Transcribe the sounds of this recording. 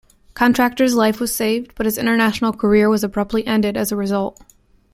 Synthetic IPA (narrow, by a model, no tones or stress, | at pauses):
kʰɑ̃ntɹ̥æk̚tə˞zlaɪfwʌz̥seɪvdb̥ʌt̚hɨzɪ̃ɾ̃ə˞næʃn̩l̩ˠkʰə˞ɪɹwʌzəbɹ̥ʌp̚tˡliʔɛ̃ndɨɾɨzəɹɨzʌlˠt̚